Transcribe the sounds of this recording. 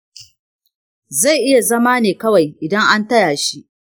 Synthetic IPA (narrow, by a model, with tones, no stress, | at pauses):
za˦˨jʔɪ˦ja˨zɐ˦maː˦neː˨kɐ˦wa˨jʔɪ˨dɐ˦ŋʔa˦ntɐ˦jaː˨ʃi˦ʔ